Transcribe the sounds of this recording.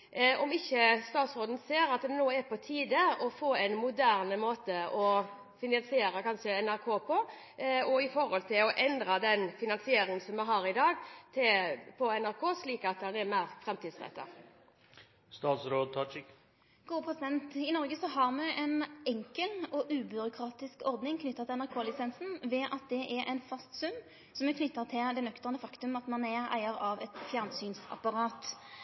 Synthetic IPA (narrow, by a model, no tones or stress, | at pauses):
ɔmɪçːəst̪ɑːt̪sɾoːd̪ən̩seːɾɑt̪̚d̪ɛnuːəæɾpʰɔt̪ʰiːd̪əɔfoːɛɪnmʊd̪æːʁnəmoːt̪əɔ | fɪnɑnsɪeːɾəkʰɑnʃəɛnæɾkʰoːpʰɔ | ɔɪfɔɾɔlt̪ʰɪlɔʔɛnd̪ɾɑd̪ɛnfɪnɑnsɪeːɾɪŋənsɔmːɛɦɑːɾɪd̪ɑːɡt̪ʰɪpʰɔɛnæɾkʰoːsliːkɑt̪ːhɑnɛɾmæɪɾfɾɛmt̪iːd̪sʁɛ̰t̪ːɑ̰ | st̪ɑːt̪sɾoːd̪̚t̪ʰɑt͡ʃɪk | ɡ̥uːəpʰʁɛsɪd̪ɛnt̪ɪnɔʁɡəsɔhɑʁmɛʔɛnɛŋkəlɔʔʉːbʏɾʊkʰʁɑːt̪ɪskɔɾd̪nɪŋkʰnʏt̪ːɑt̪ʰɪlɛnæʁkʰoːlɪsɛnsn̩ʋɛːʔɑt̪̚d̪ɛʔɛɾʔɛɪnfɑst̪sʉm | sɔmɛkʰnʏt̪ːɑʁt̪ʰɪld̪ɛnœkt̪əʁnəfɑkt̪ʉmɑt̪mɑnɛʁæ̰ɪəʁɑʋɛt̪fjæʁnsyːnsɑ̰pɑʁɑːt̪